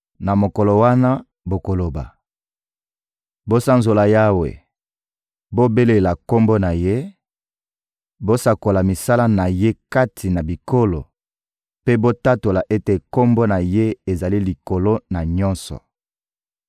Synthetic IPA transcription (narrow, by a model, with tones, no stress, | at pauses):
na˨mo˨kɔ˨lo˨wa˦na˦ | bo˨ko˨lo˨ba̰˨ | bo˦sa˦nzo˨la˨ja˦wḛ˨ | bo˦be˦le˨la˨ko˦mbo˦na˨je˦ | bo˦sa˨ko˨la˨mi˨sa˦la˦na˨je˦ka˦tʰi˨na˨bi˨ko˦lo˨ | pe˦bo˦ta˦to˨la˨ʔe˦te˨ko˦mbo˦na˨je˦e˨za˨li˦li˨ko˨lo˦na˨ɲɔ˦nsɔ̰˨